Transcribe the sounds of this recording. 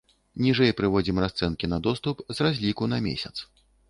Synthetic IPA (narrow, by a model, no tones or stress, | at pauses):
nʲiʐɛjpɾɨvɔd͡zʲimrast̪sɛnkʲinɐd̪ɔst̪upzrazʲlʲikunɐmʲḛsʲɐt̪s